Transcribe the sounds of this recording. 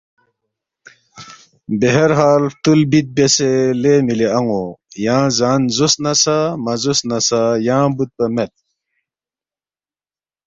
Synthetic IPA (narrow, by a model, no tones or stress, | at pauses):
beɦɐɾɦaːlt̪ulbit̪̚beselemileɐŋojãːzaːnzosnɐsamɐzosnɐsajãːbut̪̚pɐmet̪̚